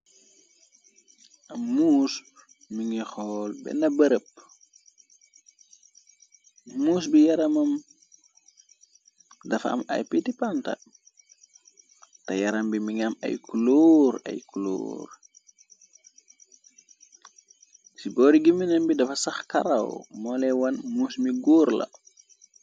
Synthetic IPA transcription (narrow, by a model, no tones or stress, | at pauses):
ʔɐːuːs | miŋixɔːlbɛ̰nɐbəɾəp̚ | uːs̬bijɐɾɐmɐm | dɐfɐ̰mɐ̰jpitipantɐ̰ | tɐjɐɾɐmbimiŋɐmɐ̰jkuluɾɐ̰jkulṵːr | sibɔːɾiɡiminɐnbidɐfɐsɐxkɐɾɐ̰wmɔːlɛwɐnmuːsmiɡuːɾlɐ̰